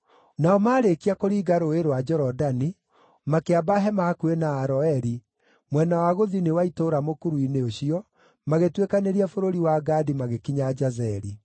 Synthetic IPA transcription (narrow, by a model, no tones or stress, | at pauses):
naɔmaːɾekiakoɾiːɡaɾoeɾwad͡ʒɔɾɔdani | makeabaɦɛmaːkuenaːɾɔɛɾi | mwɛnawaɣoðinewaitoːɾamokuɾuineoɕiɔ | maɣetwekaneɾiafoɾoɾiwaɡaːdimaɣekiɲad͡ʒazɛɾi